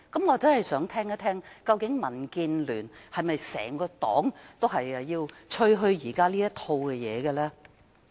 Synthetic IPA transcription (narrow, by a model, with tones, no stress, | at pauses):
kɐ˨˦mŋɔː˨˧t͡sɐ˥nɦɐ˨jsœː˨˥ŋt̪ʰɛː˥ŋɐ˥t̪ʰɛː˥ŋkɐ˧wkɪ˨˥ŋmɐ˨˩nkiː˧nlyː˨˩nhɐ˨jmɐ˨jsɛ̰ː˨˩ŋkɔː˧t̪ɔ̰ː˨˥ŋt̪o˥wɦɐ˨jɐ˧jiː˧wt͡ʃʰɵ˥˧ɥɦɵ˧ɥjiː˨˩kaː˥liː˥jɐ˥t̪ʰo˧wkɛ˧jɛː˨˧ɡɛ˧lɛː˥